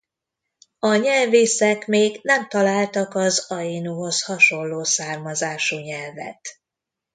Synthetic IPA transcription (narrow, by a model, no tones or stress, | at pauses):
ɒɲɛlveːsɛkmeːɡnɛmt̪ɒlaːlt̪ɒkɒzɒjinuɦo̞shɒʃo̞lːoːsaːrmɒzaːʃuːɲɛlvɛ̰t̪